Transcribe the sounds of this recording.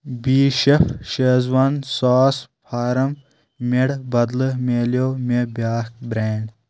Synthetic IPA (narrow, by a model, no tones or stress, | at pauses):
biːʃɐfʃeːzwɐnsaːspʰaːɾɐm | meɽbɐd̪lɨmeːljoːmebaːk̚bɾeːɳɖ